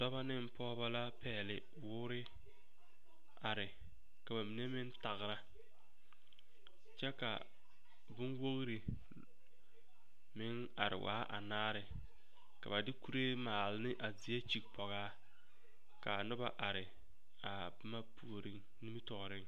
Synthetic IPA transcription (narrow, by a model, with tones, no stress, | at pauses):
dɔ˦ba˦nɪ˦m˦pʰɔː˦ba˦la˦pɛː˦˨lɪ˨ | wʊː˦ɾɪ˦ | a˨ɾɪ˨ | ka˨ba˨mi˨ne˦mɪ˦nta˨ɣɾa˦ | t͡ʃɛ˦ka̰˨ | bʊ˦nwo˦ɣɾe˨ | mɪ˦ŋ | a˨ɾɪ̰˨wʔa̰ː˦ʔa̰˨naː˦ɾɪ˨ | ka˨ba˨dɪ˦ku˦ɾe˦maː˨lɪ˦nɪ˦ʔa˨zɪ˨e˦t͡ʃi˨k̚pɔ˨ɣaː˦ | ka˨nʊ˦ba˦ʔa˨ɾɪ˨ | a˨ | bma˦pu˦o˨ɾɪ˦ŋ | ni˦mi˦tɔ˨ɣɾɪ˦ŋ